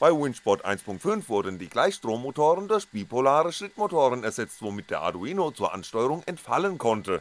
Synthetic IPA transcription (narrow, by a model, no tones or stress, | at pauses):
b̥aɪwɪnʃb̥ɔtʔa̰ɪnspʰʊŋk̚tfʏnfv̥ʊɐdn̩diːɡlaɪçʃtʁ̥oːmːotʰoːʁəndʊɐçb̥iːpʰolaːʁəʃɪtmotoːʁənɛɐzɛt͡stv̥omɪt̚d̥eːɐʔa̰duiːnot͡suːɐʔa̰nʃtɔʏəʁʊŋɛntfalənkʰɔntʰə